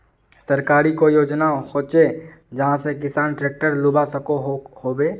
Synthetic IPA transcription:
sɐɾkaːɾikojoːd͡ʒnahoːt͡ʃe | d͡ʒɐɦãsek̬ɪsaːnʈɾeːk̚ʈəɾlʊbasəkoɦhoːbeː

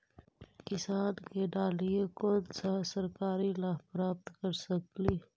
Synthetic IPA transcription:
kɪsaːnkeɖaːlijekoːnsasəɾkaːɾilaːpɾaːp̚t̪kəɾsəkliː

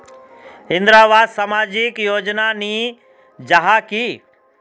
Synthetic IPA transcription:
ɦɪ̃nd̪ɾaːbaːd̪samaːd͡ʒikjoːd͡ʒnaniː | d͡ʒaɦaki

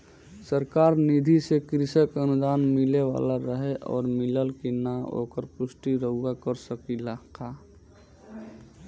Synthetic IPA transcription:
səɾkaːɾnid̪ʱisekɾɪsəkənʊd̪aːnmɪleʋa̰ːlaɾəɦeʔɔ̰ːɾmɪləlkinao̰ːkəɾpʊsʈiɾəɦʊakəɾsəkilaːkʰa

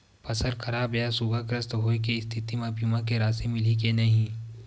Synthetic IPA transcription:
pɐsəɾkʰɐɾaːbjasuɡʱakɾəst̪ɦoːek̬eɪst̪ʰɪt̪imãbʱiːmãkeɾaːsemɪlik̬enɐɦĩ

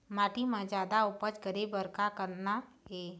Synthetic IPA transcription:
maːʈimãd͡ʒaːd̪aʊpət͡ʃɡəɾibəɾkakəɾna | eː

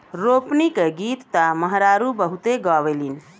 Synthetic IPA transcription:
ɾopnikeɡit̪ːəməɦɾaɾubəɦut̪eɡɔʋelin

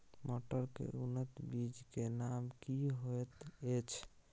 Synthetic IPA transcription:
moʈəɾkḛʔunət̪bid͡ʒkenamkiɦoet̪et͡ʃʰ

